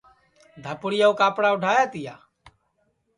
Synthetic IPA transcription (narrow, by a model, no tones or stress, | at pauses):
d̪ʱəpʊɽɪjauːkaːpɽaːʊʈʰaːjaːt̪ɪjaː